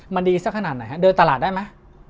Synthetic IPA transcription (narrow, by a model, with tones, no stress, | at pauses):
ma˧ndiː˧sa˥kʰa˧naː˨˩t̪̚na˨˩jha˦˥dɤː˧nt̪a˧laː˨˩t̪̚daː˥˩jma˦˥j